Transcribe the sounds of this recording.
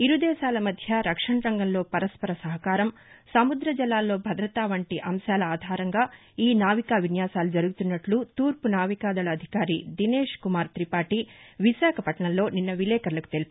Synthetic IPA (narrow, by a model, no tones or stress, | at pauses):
iɾud̪ɛːʃaːlɐmɐd̪ʱjɐɾɐkʂɐɳɐɾɐŋɡɐmlo̞ːpɐɾɐspɐɾɐsɐɦɐkaːɾɐm | sɐmud̪ɾɐd͡ʒɐlːaːlːo̞ːbʱɐd̪ɾɐt̪aːʋɐɳʈiʔɐmʃaːlɐaːd̪ʱaːɾɐŋɡaː | iːnaːʋikaːʋinjaːsaːlud͡ʒɐɾuɡut̪unːɐʈlut̪uːɾpunaːʋikaːd̪ɐlɐːd̪ʱi̥kaːɾid̪ineːʂkumaːɾt̪ɾipaːʈiʋiʃaːkʰɐpɐʈɐɳɐlːo̞ːninːɐʋilɛːkɐɾlɐku̥t̪e̞li